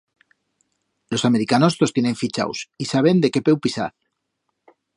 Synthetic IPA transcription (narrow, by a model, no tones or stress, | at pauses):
lo̞same̞ɾikano̞st̪o̞st̪je̞ne̞ɱfit͡ʃa̰wsisaβ̞e̞nd̪e̞ke̞pewpisa̰ð